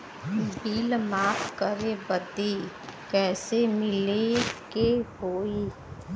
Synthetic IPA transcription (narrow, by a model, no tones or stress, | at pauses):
biːlmaːpkəɾebəd̪i | kɛːsemɪlekeɦoːiː